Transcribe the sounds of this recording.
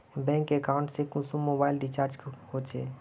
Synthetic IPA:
bɛ̃ːŋkːekaʊ̃ɳʈsekʊsumːoːbaːɪlɖit͡ʃaːɾd͡ʒhot͡ʃʰeː

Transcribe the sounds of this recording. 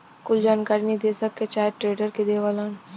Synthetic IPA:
kʊld͡ʒaːnkaːɾinəɦĩd̪eːsəkːet͡ʃaːʈɾeːɖəɾked̪eːʋalaːn

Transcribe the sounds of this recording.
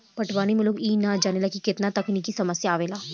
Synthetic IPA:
pɐʈʰʋaːñimeloːɡiːnad͡ʒaːnelakikɪt̪nat̪ɐknikisɐməsjaːʋeːlaː

